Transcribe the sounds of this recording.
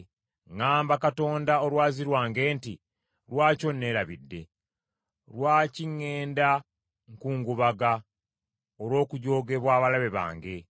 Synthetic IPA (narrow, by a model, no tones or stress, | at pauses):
ŋaːmbakato̞ːndao̞lwaːziɾwaːŋɡe̞ːnti | lwaːco̞nːe̞ːɾaβidːe̞̰ | lwaːciŋːe̞ːnda | ŋkuːŋɡuβaɡa | oɾo̞ːkuɟo̞ːɡe̞βwaːβalaβe̞βa̰ːŋɡe̞